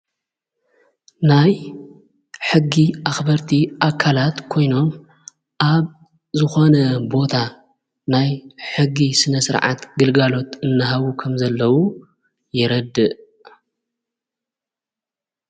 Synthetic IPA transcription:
naj | ħɨɡːiʔaxbɐɾt̪ʰiʔakʰːalat̪kʰo̞jno̞m | ʔaβ | zɨxo̞nɐbo̞t̪ʰa | najħɨɡːisɨnɐsɨɾʕa̰t̪ɡɨlɡalo̞t̪ɨnːaɦaβukʰɐmzɐlːɐwu | jɪɾɐd̪ːɨʔ

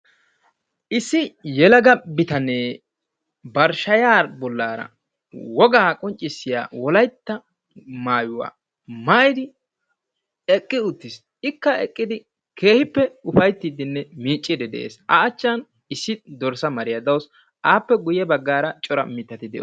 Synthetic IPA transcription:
ʔɪsːɪjɛlɐɡɐbɪt̪ɐneː | bɐɾʃɐjaːɾbɔlːaːɾɐ̰ | wɔɡaːkʼɔnt͡ʃʼːɪsːɪja̰ːwɔlɐjt̪ːɐ | maːjʊwa̰ː | maːjɪd̪ɪ | ɛkʼːɪʊt̪ːɪs | ɪkːɐɛkʼːɪd̪ɪ | kʰe̞ːhɪpːɛʊfɐjt̪ːiːd̪ɪnːɛmiːt͡ʃʼːɪd̪ɛd̪ɛ̰ʔḛːsɐːt͡ʃːɐn | ɪsːɪd̪ɔɾsɐmɐɾɪjɐd̪ɐws | aːpːɛɡʊjɛbɐɡːaːɾɐt͡ʃʼɔɾɐ̰mɪt̪ːɐt̪ɪd̪ɛ̰ʔ

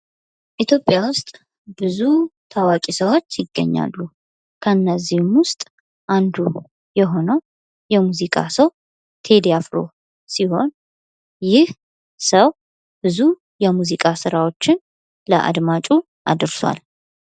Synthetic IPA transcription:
ʔit̪ʰjo̞pʼjawʊst̪ʼ | b̥ɨzut̪ʰawakʼisəwo̞t͡ʃːjɪɡːə̰ɲːa̰lːu | kʰəɨnːəzːihmwʊst̪ʼ | ʔand̪u | jɛɦo̞nəw | jɛmuzikʼa̰səw | t̪ʰe̞d̪jafɾo̰ | siho̞n | jɪh | səw | bɨzu | jɛmuzikʼasɨɾawo̞t͡ʃːɪn | ləʔa̰d̪mat͡ʃʼu | ʔa̰d̪ɨɾswa̰l

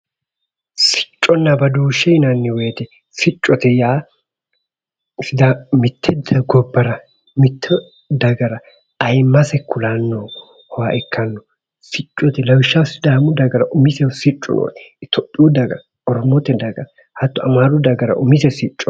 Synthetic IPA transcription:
sɪ̥t͡ʃʼːɔnːɐbɐd̪uːʃːɛɪnɐnːɪweːt̪ɛ | sɪt͡ʃʼːɔt̪ɛjaː | sɪd̪amɪt̪ʰːɛd̪ɐɡɔbːɐɾɐ | mɪt̪ʰːɔ | d̪ɐɡɐɾɐ | ɐjmːɐsɛkʰʊlanːoː | hɔwaʔɛkʰːɐnːɔ | sɪt͡ʃʼːɔt̪ɛlɐwɪʃːasɪd̪aːmʊd̪ɐɡɐɾɐʔʊmɪsɛsɪt͡ʃʼːʊ̰no̰ːt̪ʰɔpʼːɪud̪ɐɡɐɾɐ | ɔɾmɔt̪ɛd̪ɐɡɐɾɐ | hɐt̪ːɔɐmaːɾʊd̪ɐɡɐɾɐ̰ʔʊmɪsɛsɪt͡ʃʼːɔ

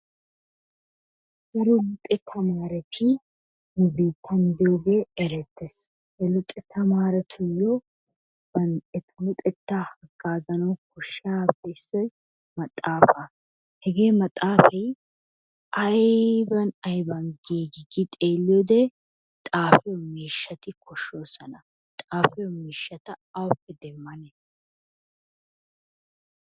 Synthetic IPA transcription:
d̥ʊɾɔlʊt̪ʼɛt̪ʰːɐmaːɾɛt̪ʰɪ | nɛbeːt̪ʰːɐnd̪ɪjoːɡe̞ːɛɾɛt̪ːɛs | hɛlʊt̪ʼːɛt̪ːɐmaːɾɛt̪ʰʊjːɔ | b̥ɐnt̪ʼɛt̪ɐlʊt̪ʼɛt̪ːahɐɡaːzɐnɐwkɔʃːabɛsːɔj | mɐt̪ʼːaːfɐ | hɛɡe̞ːmɐt̪ʼːaːfɛj | ʔɐjbɐnɐjbɐnɡiːɡɪɡɪt̪ʼeːlːɪjɔd̪ɛ | t̪ʼaːfɛjɔmiːʃːɐt̪ɪkʰɔʃːo̞ːsɐnɐ | t̪ʼaːfɛjɔmiːʃːɐt̪ɐɐwɔpːɛd̪ɛmːɐnɛ

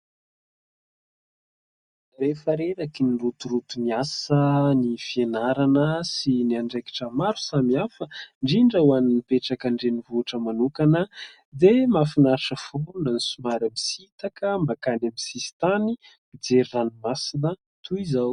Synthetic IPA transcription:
refaɾeɾakinirut̪uɾut̪umiasənifienaɾanəsiniaɳɖ͡ʐeki̥ʈ͡ʂəmaɾu̥samiafəɳɖ͡ʐiɳɖ͡ʐəwaninipeʈ͡ʂakaɳɖ͡ʐenivuʈ͡ʂəmanukanə | d̪emafinaɾʈ͡ʂəfonanisumaɾamisit̪akəmakanamisisi̥t̪ani | mid͡zeɾiranumasinə | t̪ʰuizaw

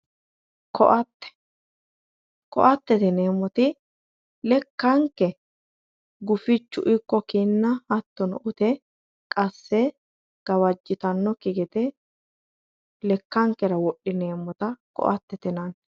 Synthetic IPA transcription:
kʰɔʔɐt̪ːɛ̥ | kɔ̰ʔɐt̪ːɛt̪ɛneːmːɔt̪ɪ | lɛkːɐŋkːɛ | ɡʊfɪt͡ʃːʊ̰ʔɪkːɔkinːɐɐt̪ːɔnɔʔʊt̪ɛ | kʼɐsːɛ | ɡ̥ɐwɐd͡ʒːɪt̪ɐnːɔkɪɡɛt̪ɛ | lɛkːɐŋkːɛɾɐwɔʔːɪne̞ːmːɔt̪ɐkɔ̰ʔɐt̪ːɛt̪ɪnɐn

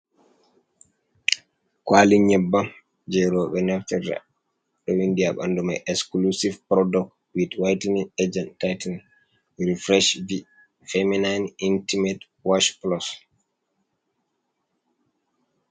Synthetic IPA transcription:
kwaliɲɛbːam | d͡ʒɛɾɔɓɛnɛftɛɾta̰ | ɗɔwindijaɓa̰ndumajʔɛksklusivpɾɔdɔk | widwajtnied͡ʒɛntajtan | ɾifɾɛʃvi | fɛminajnintimɛt | waʃplɔs

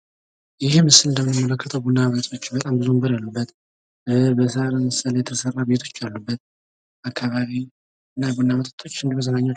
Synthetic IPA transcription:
jɪhmɨsːɨlɨnd̪əmːɨnmːələkːət̪ʰəwbunːamət̪ʰʼo̞t͡ʃːbət̪ʼambɨzumbɨɾalːubːət̪ | bəsəaɾəməsəljɛt̪ʰəsərːabet̪ʰo̞̥t͡ʃːalːubːət̪̚ | ʔakʰːaβaβi | ɨnːabunːamət̪ʼət̪ʰʼo̞t͡ʃːɨnd̪iməzənaɲːa

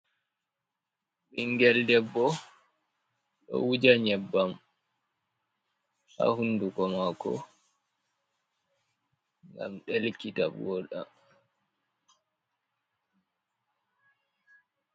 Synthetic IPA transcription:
ɓiŋɡɛldɛbːɔ | ɗɔ̰wud͡ʒaɲɛbːam | ha̰hunːduɡɔmakɔ̰ | ŋɡa̰mɗelkitabwɔːɗa̰

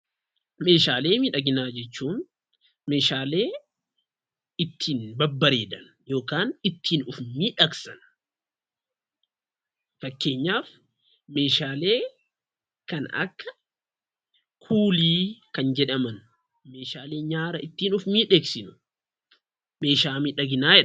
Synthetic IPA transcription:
me̞ːʃaːle̞ːmiᶑɐɡɪnaːd͡ʒɛt͡ʃːuːn | me̞ːʃaːle̞ː | ɪt̪ʰːiːnbɐbːɐɾe̞ːd̪ɐn | jo̞ːkaːnɪt̪ːiːnʊfmiːᶑɐksɐn | fɐkːe̞ːɲːaːf | me̞ːʃaːle̞ː | kɐnɐ̰kːɐ | kʰuːliːkɐnd͡ʒɛᶑɐmɐn | me̞ːʃaːle̞ːɲaːɾɐɪt̪ːiːnʊfmiːᶑeːksɪnʊ̥ | me̞ːʃaːmɪᶑɐɡɪnaːɛ

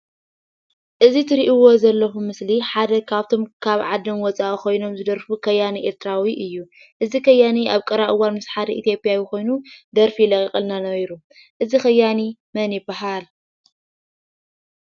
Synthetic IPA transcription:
ʔɨzit̪ʰɨɾiʔiwo̞zɐlːɐxumɨsliħad̪ɐkʰaβt̪ʰo̞mkʰaβʕad̪ɐmwɔt͡sʼaʔuko̞jno̞mzɨd̪ɐɾfukʰɐjːaniʔeɾt̪ʰɾawiʔɨjːu | ʔɨzikʰɐjːaniʔaβkʼɐɾaʔɨwːanmɨsħaɾiʔit̪jo̞pʼijawjɪko̞jnud̪ɐɾfilɐkʼikʼɨlnanɐβjɾu | ʔɨzixɐjːanimɐnibaɦal

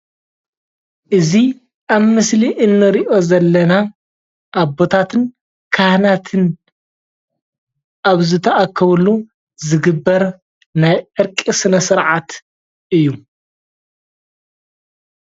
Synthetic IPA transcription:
ʔɨzi | ʔaβmɨsliʔɨnːɨɾiʔo̞zɐlːɐna | ʔaβo̞t̪ʰat̪ʰɨn | kʰahnat̪ʰɨn | ʔaβzɨt̪ʰɐʔakʰːɐβulu | zɨɡɨbːɐɾ | najʔɨɾkʼisɨnɐsɨɾʕat̪ | ʔɨjːu

